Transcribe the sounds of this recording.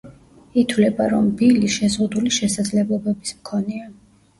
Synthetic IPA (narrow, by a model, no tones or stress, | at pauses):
it̪ʰwlɛbaɾɔmbiliʃɛzʁud̪uliʃɛsad̪zlɛblˠɔbɛbismkʰɔnɛa